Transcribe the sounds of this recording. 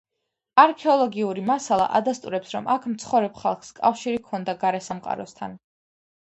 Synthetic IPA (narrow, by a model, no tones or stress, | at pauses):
aɾkʰɛɔlˠɔɡiuɾimasalˠa̰ʔad̪ast̪ʼuɾɛpsɾɔmʔakʰmt̪sʰχɔvɾɛbχalˠχskʼafʃiɾikʰɔnd̪aɡaɾɛsamqʼa̰ɾɔst̪ʰa̰n